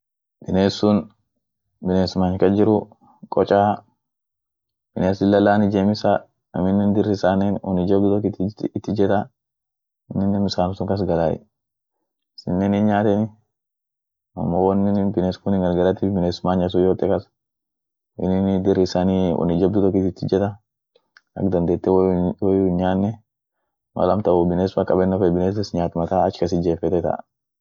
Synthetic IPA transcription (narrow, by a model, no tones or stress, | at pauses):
b̥ɪneːsːʊn | bɪneːsmaːɲkɐd͡ʒɪɾʊ | kʼɔt͡ʃʼaː | b̥ɪneːsɪlːɐlaːnɪd͡ʒeːmɪsa | ɐ̰mɪnːɛnd̪ɪrːɪsanenɔ̰nɪd͡ʒɐbd̪ʊt̪ɔkɪt̪ɪt̪ːɪd͡ʒɛt̪a | mɪnːɛnmɪsaːnʊsʊŋkɐs̬ɡɐlaːɪ̰ | sɪnːenɪnɲaːt̪ɛnɪ | ɐ̰mːowɐnːɪnbɪneskʊnɪŋɡɐlɡɐlat̪ːɪfbɪneːsmaːɲɐs̬ʊjoːt̪ʼːɛkɐs | ɪ̰nɪnd̪ɪɾɪsaːniːwɔ̰nɪd͡ʒɐb̚d̪ʊt̪ɔkɪt̪ɪt̪ːɪd͡ʒɛt̪ɐ | ɐ̰kd̪ɐnd̪eːt̪ːɛwwɔjʊɲaːnːɛ | mɐ̰lɐmt̪ɐʊbɪneːsmakʼɐbɛnːɔfɛbɪneːs̬ɛsɲaːt̪mɐt̪aːɐt͡ʃkɐsɪd͡ʒeːfɛt̪ɛt̪ɐ̰